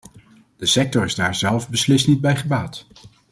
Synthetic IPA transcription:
d̥əsɛk̚tɔɹɪzdaːɹzɛlˠfbəslɪstnid̚bɛjχəbaːt

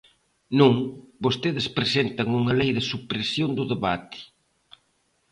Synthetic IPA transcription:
nũŋbost̪eðɪspɾesent̪ɐŋuŋɐlejðɪsupɾesjond̪ʊðeβa̰t̪ɪ̥

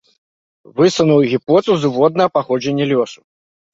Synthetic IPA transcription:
vɨsɐnuwɣʲipɔt̪uzuvɔd̪nɐɐpaxɔd͡ʒɛnʲːɛlʲɔsu̥

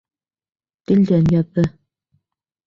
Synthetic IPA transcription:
t̪ild̪ænjɑðːɤ

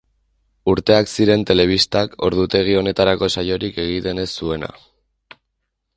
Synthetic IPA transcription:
uɾt̪e̞aksiɾe̞nt̪e̞le̞β̞ist̪ako̞̰ɾð̞ut̪e̞ɣ̞io̞ne̞t̪aɾako̞sajo̞ɾike̞ɣ̞it̪e̞ne̞sːue̞na̰

